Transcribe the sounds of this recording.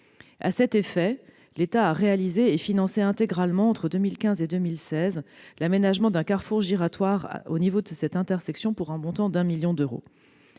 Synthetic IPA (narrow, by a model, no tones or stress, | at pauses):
a̰sɛt̪efɛ | let̪aːʁealizeːfinɑ̃seɛ̃t̪eɡʁalmɑ̃ːt̪χəd̪ømilkʲɛ̃zed̪ømilsɛzlamenaʒmɑ̃d̪ɛ̃kaʁfuʁʒiʁat̪waʁ̰onivod̪əsɛt̪ɛ̃t̪ɛʁsɛksjɔ̃puʁɛ̃mɔ̃t̪ɑ̃d̪ɛ̃miljɔ̃d̪øʁo̰